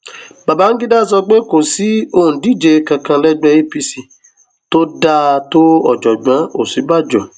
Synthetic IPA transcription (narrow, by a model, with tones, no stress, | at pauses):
ba˨ba˨˦ŋ̩˦ɡi˦da˦˨s̬ɔ˧ɡ͡be˦ko˨si˨˦o˧˨ũ˨di˦˨d͡ʒe˧˦kã˧kã˧lɛ˦ɡ͡be˦pi˧si˧ | to˦da˧˦to˦ɔ˦˨d͡ʒɔ˨ɡ͡bã˨˦o˨si˨˦ba˦˨d͡ʒɔ˨